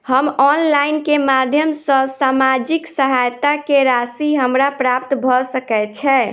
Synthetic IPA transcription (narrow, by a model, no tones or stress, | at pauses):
həmɔnlaɪnkemad̪ʱjəmsə̃samad͡ʒiksəɦajt̪akeɾasiɦəmɾapɾap̚t̪bʱɔsəkɛt͡ʃʰɛ